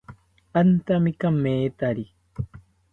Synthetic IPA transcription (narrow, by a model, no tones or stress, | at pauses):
ant̪amikamːeːt̪aɾi